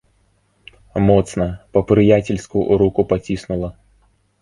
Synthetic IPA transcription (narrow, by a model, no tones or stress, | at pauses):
mot̪snəpəpɾɨjatʲɪlʲskʊjʊ̰ɾukʊpɐtʲisnʊlˠə